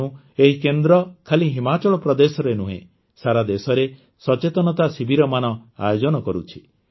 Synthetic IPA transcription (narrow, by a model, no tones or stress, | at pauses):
ũ | eɦikend̪ɾɔkʰaliɦimat͡ʃɔɭɔpɾɔd̪esɔɾenuɦḛ̃ | saɾad̪esɔɾe | sɔt͡ʃet̪ɔnɔt̪asibʱiɾɔmanɔa̰jod͡ʒɔnɔkɔɾut͡ʃʰi̥